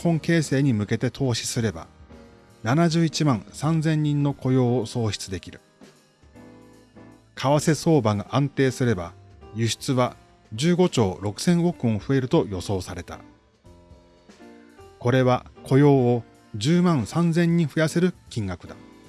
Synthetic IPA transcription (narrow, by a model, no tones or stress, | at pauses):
hõŋke̞ːse̞ːɲ̟imɯ̟ke̞t̪e̞t̪ʰo̞ːɕi̥sɨɾe̞ba̰ | nanaʑɨːit͡ɕimãɰ̃sãnzẽ̞ɲ̟ːĩnːo̞kʰo̞jo̞ːoso̞ːɕi̥t͡sɨd̪e̞kʲiɾɯ̟ | kʰaβase̞so̞ːbaɡaʔãnt̪e̞ːsɨɾe̞bajɯ̟ɕi̥t͡sɨβa | d͡ʑɨːɡo̞t͡ɕo̞ːɾo̞kɯ̟̥sẽ̞ɰ̃o̞kɯ̟̃õɸɯ̟e̞ɾɯ̟t̪o̞jo̞so̞ːsaɾe̞t̪a̰ | ko̞ɾe̞βakʰo̞jo̞ːo | d͡ʑɨːmãɰ̃sãnd͡zẽ̞ɲ̟ːĩɸɯ̟jase̞ɾɯ̟kʲĩŋɡakɯ̟d̪a